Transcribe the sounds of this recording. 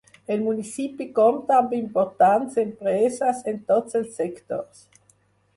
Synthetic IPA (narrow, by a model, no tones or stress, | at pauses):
elmunisipikomt̪ampeimpoɾt̪antsempɾesasent̪otselsekt̪o̰ɾs